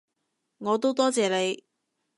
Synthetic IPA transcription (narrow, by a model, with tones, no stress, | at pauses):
ŋɔː˨˧t̪o˥wt̪ɔː˥t͡sɛː˨le˨˧j